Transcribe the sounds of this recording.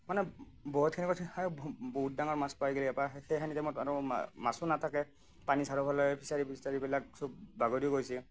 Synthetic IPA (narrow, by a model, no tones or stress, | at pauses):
manɛ | bɔɦut̚kʰinikɔtʰabɔɦut̚daŋɔɹmaspajɡiliɛpaxejkʰanitɛmɔtaɹɔ̰masunatʰakɛ | panisaɹɔpʰalɔjɛpʰisaɹipʰissaɹibilak̚sɔbbaɡɔdioɡojsɛ